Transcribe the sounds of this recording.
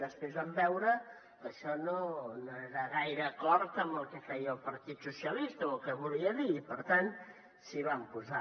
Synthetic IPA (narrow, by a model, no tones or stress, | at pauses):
əspɾezβambɛwɾə | kəʃɔnonoeɾəɣajɾəːkɔɾt̪əmbəlˠkəfɛjəlˠpəɾt̪it̪susiəlist̪əokəβuliəðiːpəɾt̪an | siβampuza